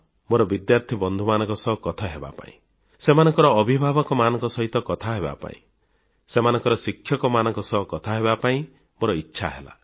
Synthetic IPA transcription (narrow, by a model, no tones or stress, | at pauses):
moɾɔbid̪jaɾt̪ʰibɔnd̪ʱumanɔ̃ŋkɔsɔɦɔkɔt̪ʰaɦeba̰pa̰ḭ̃ | semanɔŋkɔɾɔːbʱibʱabɔkɔmanɔŋkɔsɔɦit̪ɔkɔt̪ʰaɦeba̰pa̰ḭ̃ | semanɔ̃ŋkɔɾɔsikʰjɔkɔmanɔŋkɔsɔɦɔkɔt̪ʰaɦebapaĩ | moɾɔitːʃʰaɦela̰